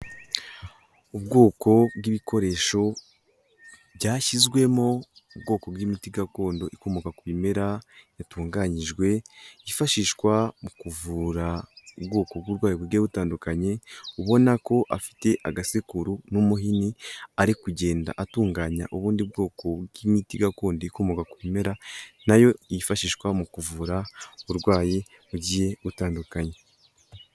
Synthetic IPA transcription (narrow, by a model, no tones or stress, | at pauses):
ubɡo̞ːko̞bɡiβiko̞ɾe̞ʃo̞ | bɟaːçizɡwe̞moubɡo̞ːko̞bwimitiɡako̞ːndo̞ʔikomokakuβime̞ɾajatuːŋɡaːɲiʒɡwe̞ifaʃiːʃkwamukuvuːɾaubɡo̞ːkobɡuɾɡwaːjibwiɡeβutaːndukaɲe̞uβo̞nako̞ʔa̰fi̥te̞ʔaɡasikuɾunumuɦiniaɾikuɟe̞ːnda̰ʔatuːŋɡaːɲa̰ʔoβuːndibɡo̞ːko̞ɡimitiɡakuːndikomoɡakuime̞ɾanajo̞ijifaʃiːʃkwamukuvuɾauɾɡwaːje | βuɟije̞utaːndukaɲe̞